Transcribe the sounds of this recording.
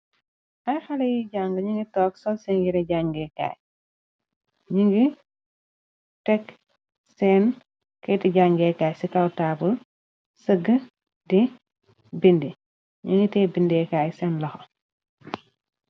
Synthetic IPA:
ʔɐjxɐlɐjiɟaːŋɡɐɲiŋɡitɔːksɔlsɛnjiɾɛɟaŋɡɛka̰ːj | ɲiŋɡi | tɛk | sɛn | kɐtiɟaŋɡɛkaːjsikɐwtaːbul | səɡə | di | bindi | ɲiŋɡitɛːbindɛːkaːjsɛnlɐxɔ

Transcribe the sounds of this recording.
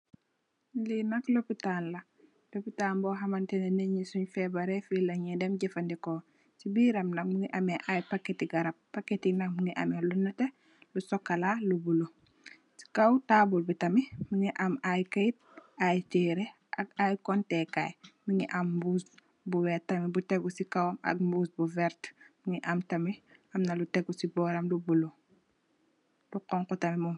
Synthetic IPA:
linɐklopitanlɐ | lopitaːnbɔɦɐmanteneneɲisuɲfɛbaɾefilɐɲɛdɛmɟɛfɐndikoː | sibiɾɐmlɐŋmuŋiʔɐmeʔajpakːetiɡɐɾɐp̚ːakːetinakmuŋiʔɐ̰melunɐte | lusɔkːalalubulu | si̥kawtabulbitɐmimuŋiʔɐmajkɐjt̚ajt͡ʃɛːɾɛ | ʔɐk̚ajkɔntɛkːajmuŋiʔɐmbuːs | buwɛtːɐmibutɛɡusikɐwɐmɐ̰k̚mbusbuvɛɾtmuŋiʔɐmtɐmiɐmnɐlutɛɡusibɔːɾɐmlubulu | luqɔŋkɔtɐmimum

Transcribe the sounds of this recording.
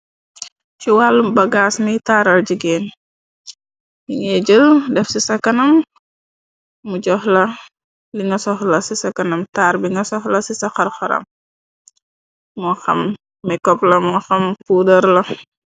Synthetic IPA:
t͡ʃuwalːubɐɡaːsmitaːɾɐlɟiɡeːn | iŋeɟəldɛfsisɐkɐnɐm | uɟɔhlɐ | liŋɐsɔxlɐsisɐkɐnɐmtaːɾbiŋɐsɔxlɐsisɐxɐrxɐɾɐ̰m | mɔxɐ̰mː | ɛkɔplɐmɔxɐmpuːdɐɾlɐ

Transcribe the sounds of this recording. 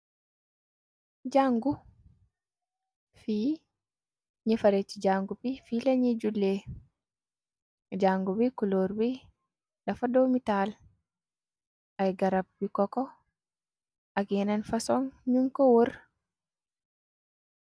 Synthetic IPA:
d͡ʒaŋɡu | fi | ɲifaɾet͡ʃid͡ʒaŋɡupifilaɲid͡ʒulːe | d͡ʒaŋɡubikuloɾwi | dafadomital | ʔajɡaɾab̚bikɔkɔ | ʔaɡɛnanfasɔŋɲuŋkɔwoɾ

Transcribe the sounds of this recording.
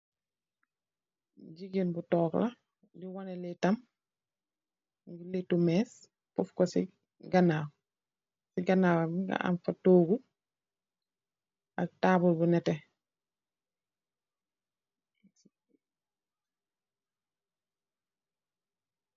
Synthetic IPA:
ɟiɡenbutɔːklɐ | diwɔnɛlɛtɐm | ɡuletumɛːs | pufkɔsḭ | ɡɐnaw | siɡɐnaːwamɡa̰ʔa̰mfatoːɡu | ʔɐk̚taːbulbunɛtɛ

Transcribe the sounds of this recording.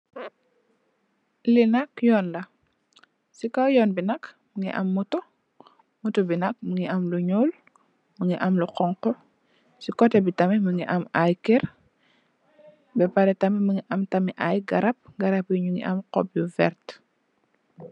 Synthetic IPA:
linɐkjɔːnlɐ | sikɔjɔːnbinɐk | məŋḭʔɐ̰mːutɔ | mutɔbinɐk̚məŋiʔɐmluɲuːl | məŋiʔɐmluqɔŋqɔ | sikɔtɛbitɐmɛməŋḭʔɐmajkɛɾ | bɛpɐɾɛtɐmiməŋiʔɐmtɐmiʔajɡɐɾɐp̚ɡɐɾɐpjuɲuŋḭʔɐ̰mqɔ̰p̚juvɛɾt

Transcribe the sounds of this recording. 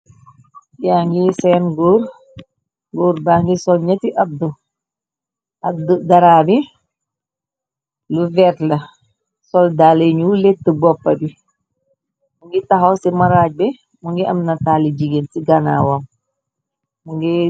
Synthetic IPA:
jaŋɡisɛnɡuːɾ | ɡuːɾbaŋɡisɔlɲɐtiʔɐb̚du | ɐdudaɾaːbi | luvɛtlɐ | sɔldaːleɲuletːəbɔpːɐbi | muŋɡitaɦawsimaɾaːɟ̚bɛ | muŋɡiʔɐmnɐtaːlid͡ʒiɡensiɡana̰wam | muŋɡi

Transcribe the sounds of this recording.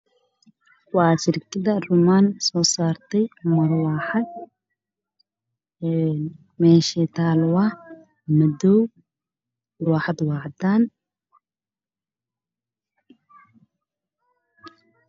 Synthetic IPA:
wɑːʃɪrkʰɪðɐrʊmansɔːsaːrt̪ʰɛjmɐrwɑːħɑd̪̚ | ɛn | mɛːʃɛːt̪ʰaːlwɐh | mɐdɔw | rwaːħɑd̪wɑːʕd̪aːn

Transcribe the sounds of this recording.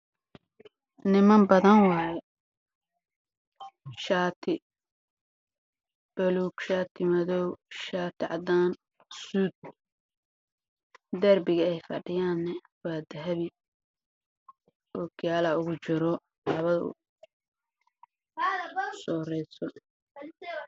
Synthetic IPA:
nɪmɐmbɐðɐnwɑːjɛ | ʃaːt̪ʰɪ | b̥ɐluːɡʃaːt̪ʰɪmɐðɔwʃaːt̪ʰɪʕɑ̰d̪aːn | suːd̪̚ | d̪ɐrbɪɣɐɛjfɐ̰ɖɪjaːnːɛ | waːd̪ɐɦɐβɪ | ʔɔːɡjaːlaʊɣʊt͡ʃɪɾɔ | lɐβɐðɐʊ̰ | sɔːɾɛjsɔ

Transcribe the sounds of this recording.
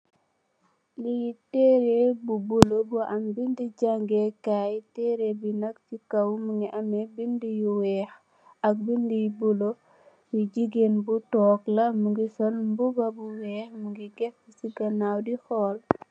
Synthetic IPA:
lijitɛɾebubulobuʔɐmbindiɟaŋɡekajtɛɾebinɐkfikɐwmuŋɡiʔɐmebindijuwɛːx | ɐk̚bindijbulo | biɟiɡenbutɔːklɐmuŋɡisɔlmbubɐbuwɛːxmuŋɡiɡɛfisiɡɐnawdixɔːl

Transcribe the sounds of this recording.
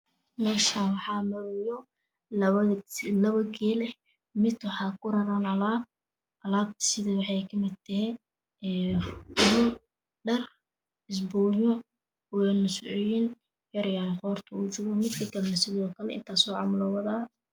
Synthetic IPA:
mɛːʃawɑħɑːmɐɾɪjɔ | lɐβɐɡɛːlɛ | mɪd̪wɑħɑːkʰʊɾɐɾanɐlaːd̚ | ɐlaːb̚t̪ʰɐ̥sɪðɐwɑħɑjkʰɐmɪd̪̚t̪ʰɐɦɛ | ɛːɣʊl | ɖɐr | ɪs̬bɔːjɔ | wɛːnʊsʊʕʊjɪn | jɐɾjaːnqɔːrt̪ʰɐut͡ʃʊɣɔmɪd̪kʰɐɡɐlnɐsɪðɔːkʰɐlɛɪ̰nt̪ʰaːsɔʕɑ̰mʊlɔwɐðaː

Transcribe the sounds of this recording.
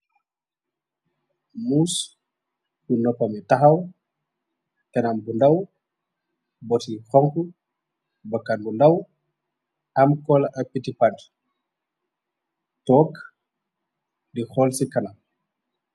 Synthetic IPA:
muːs | bunɔpɐmitaɦaw | kɛnambundaw | bɔtixɔŋku | bakanbundaw | amkɔlʔapitipad | tɔːk | dixɔlsikɐnam

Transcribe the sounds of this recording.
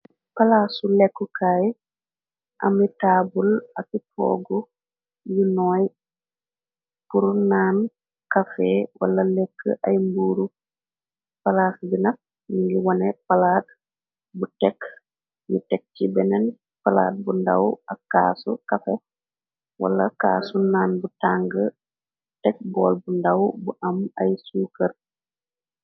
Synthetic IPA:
palasulɛkːukaːj | ʔa̰mitabulakipʰɔ̰ːɡɔ | junɔj | puɾunan | kafɛwa̰lːalɛkʰːə̰ʔajmbuːɾu | palaːsbinak̚ | niŋɡiwɔnɛpalaːt̚ | butɛk | jutɛk̚tibɛnɛn | pala̰ːt̚bunda̰wakːa̰ːsukafɛ | wa̰lːaka̰ːsunaːnbutaŋɡə | tɛk̚bɔːlbundawbuʔamajsuːkər

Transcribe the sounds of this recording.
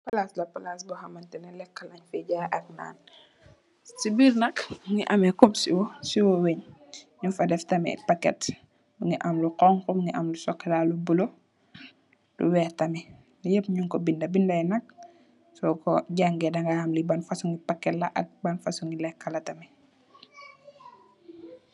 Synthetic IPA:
pɐlaslɐpɐlaːsbuhɐmɐntɛnɐlɛkːɐlɐɲfɛɟaːʔɐk̚na̰ːn | sibiːɾnɐkŋiʔɐmɛkupsiwɔsiwɔweɲɲufɐdɛftɐmɛ̰pɐkːɛ̰t | buŋiʔɐmluqɔŋkɔbuŋiʔɐmlusɔkːɐlalubulo | d̥ṵwɛːtɐmɛ | nijəpɲuŋkɔbindɐbindɐɛnɐk̚ | sɔkɔ̰ɟaŋɡɛdɐŋɡaamlibɐnfɐsuŋɡipɐkːɛtlɐʔɐ̰k̚bɐnfɐsuŋɡilɛkːɐlɐtɐmɛ

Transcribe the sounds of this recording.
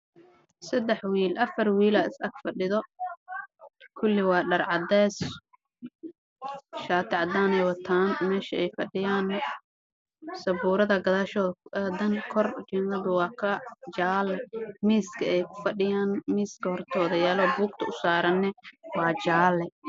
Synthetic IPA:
sɐd̪ɛħwiːlʔɐfɐrwiːlɐɪsɐɡfɐɖɪðɔ | kʰʊlːɪwɑːɖɐrʕɑd̪ɛːs | ʃaːt̪ʰɪʕɑd̪aːnɛjwɐt̪ʰaːnmɛːʃɐɛjfɐɖɪjaːn | sɐbuːɾɐðɐɡɐðaːʃɔːðd̪ɐŋkʰɔrd͡ʒɛnɐðʊwɑːkʰɐd͡ʒaːlɛmiːskʰɐɛjkʰʊ̥fɐɗɪjaːnmiːskʰɐhɔrt̪ʰɔːðɐjaːlɔːbuːɡ̚t̪ʰɐʊsaːɾɐnːɛwɑːt͡ʃaːlɛ

